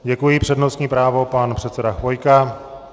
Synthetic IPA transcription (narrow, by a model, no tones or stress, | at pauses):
ɟɛkujɪpr̥ɛdno̞st̪ɲiːpɾaːvo̞panpr̝̥ɛt̪t͡sɛdaxvo̞jka